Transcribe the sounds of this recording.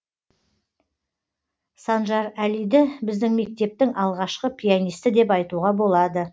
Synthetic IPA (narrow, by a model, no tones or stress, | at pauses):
sɑnʒɑɾælijd̪ɪbɪzd̪ɪŋme̞k̚t̪e̞p̚t̪ɪŋʔɑlˠʁɑʃqəpʰʲijanijst̪ɪd̪e̞pɑjt̪uʁɑbo̞lˠɑd̪ə